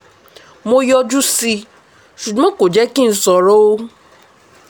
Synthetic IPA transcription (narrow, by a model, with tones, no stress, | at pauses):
mo˧jɔ˧d͡ʒu˦si˧ | ʃu˨ɡ͡bɔ̃˨˦ko˨d͡ʒɛ˦ki˦n̩˦sɔ˧ɾɔ˦o˦